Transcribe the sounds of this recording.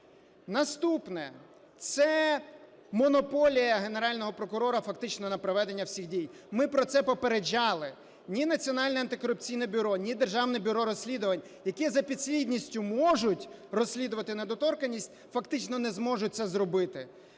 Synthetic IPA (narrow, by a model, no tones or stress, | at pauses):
nɐst̪upnɛ | t̪sɛ | mɔnɔpɔlʲijɐɦe̞neɾɑlʲnɔɦɔpɾɔkʊɾɔɾɐfɐkt̪ɪt͡ʃnɔnɐpɾɔʋɛd̪e̞nʲːɐwsʲixdʲij | mɪpɾɔt̪sɛpɔpeɾed͡ʒɑlˠɪ | nʲinɐt͡sʲiɔnɑlʲnɛɐnt̪ɪkɔɾʊp̚t͡sʲijnɛbʲʊɾɔnʲid̪erʒɑwnɛbʲʊɾɔɾɔsʲlʲid̪ʊʋɐnʲ | jɐkizɐpʲid̪sʲlʲid̪ʲnʲisʲtʲʊmɔʒʊtʲrɔsʲlʲid̪ʊʋɐt̪ɪned̪ɔt̪ɔrkɐnʲːisʲtʲ | fɐkt̪ɪt͡ʃnɔnɛzmɔʒʊt̚ʲt̪sɛzɾɔbɪt̪ɪ